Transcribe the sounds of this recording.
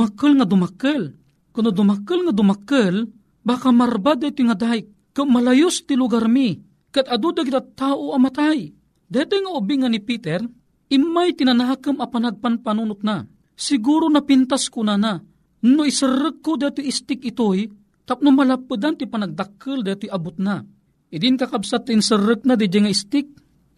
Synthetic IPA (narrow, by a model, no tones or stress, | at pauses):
makəlŋad̪ʊmakəl | kʊnod̪ʊmakəlŋad̪ʊmakəl | baːkamarbad̪ajt̪ʊjŋad̪aɪkːʊmalajʊst̪ilʊɡaɾmi | kat̪ad̪ud̪akit̪at̪aːʔoʔamat̪aj | d̪aat̪ʊjŋaʊbiŋanipit̪ɛɾ | ʔimajt̪inanaːkɨmɐpanaɡ̚panpanunʊt̪̚na | sɪɡuɾonapint̪askʊnana | noisɨɾɨkːod̪at̪ojist̪ɪkɪt̪oj | t̪ap̚nʊmalapːɨd̪ant̪ipanaɡ̚d̪akʰːɨld̪ajt̪ojabʊt̪̚na | ʔid̪ɪnkakabsat̪ːinsɨɾːɨk̚nad̪id̪ajŋaist̪ɪk̚